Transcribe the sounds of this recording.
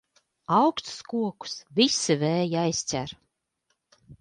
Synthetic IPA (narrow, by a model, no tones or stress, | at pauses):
awkst̪skuɔku̥svisivɛːjiajst͡sʲæ̰ɾ